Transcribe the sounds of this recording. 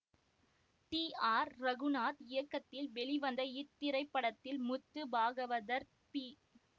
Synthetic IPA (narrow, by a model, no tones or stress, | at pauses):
ʈiːaːɾɾɐɣɯnaːt̪ɪjɐkːɐt̪ːɪlʋɛɭɪʋɐnd̪ɐɪt̪ːɪɾɐɪpːɐɽɐt̪ːɪlmʊt̪ːɯbaːɣɐʋɐðɐɾ | pi